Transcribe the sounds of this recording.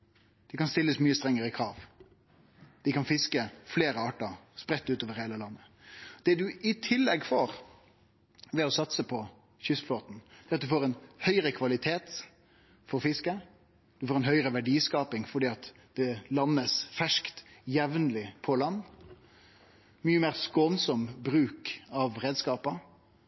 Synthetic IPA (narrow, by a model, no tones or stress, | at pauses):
d̪̥ɪkɑnst̪ɪlːəsmyːəst̪ɾɛŋːəɾəkʰɾɑːʋ | d̪̥ɪkɑnfɪskəfleːɾəɑːʈəspɾɛt̪ːʉːt̪oːʋəɾheːləlɑnːə | d̪̥ɛd̪ʉʔɪt̪ʰɪlːɛɡfoːɾ | ʋɛɔsɑt̪səpʰɔ | çʏsfloːt̪n̩d̪̥ɛɾɑt̪̚d̪ʉfoːʁɛnhœʏɾəkʰʋɑlɪt̪ʰeːt̪ | fɔɾfɪskə | d̪̥ʉfoːɾɛnɦœʏəɾəʋæɖiːskɑːpɪŋfɔɖiːɑt̪ | d̪̥ɛlɑnːəsfæʂkt̪jɛʋnlɪpʰɔlɑnː | myːəmeːʁskonsɔmbɾʉːkɑʋɾeːd̪skɑːpə